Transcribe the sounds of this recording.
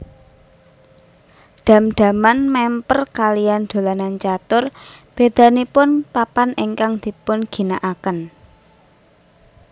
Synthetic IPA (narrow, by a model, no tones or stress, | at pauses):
ɖ̪̥ä̤md̪̥ä̤manmɛmpərkalijand̪̥o̤lanant͡ʃat̪ʊrb̥e̤d̪̥ä̤nipʊnpapaneŋkaŋd̪̥i̤pʊnɡ̥i̤naʔakən